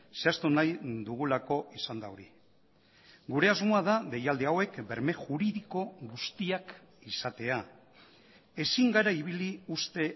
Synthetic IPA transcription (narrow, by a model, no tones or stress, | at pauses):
se̞ast̪unajðd̪uɣ̞ulako̞ʔisand̪aoɾi | ɡuɾe̞azmoaðaðe̞jald̪eawe̞kbe̞ɾme̞ʝuɾiðiko̞ɣust̪iak | isat̪e̞a | e̞siŋɡaɾaiβ̞iliust̪e̞